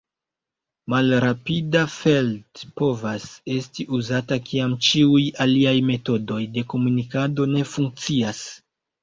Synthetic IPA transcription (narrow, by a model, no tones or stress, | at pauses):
malɾapidafe̞ltpo̞vase̞stiʔuzatakʰiamt͡ʃiujaliajme̞to̞do̞jde̞ko̞munikado̞ne̞fuŋk̚t͡sias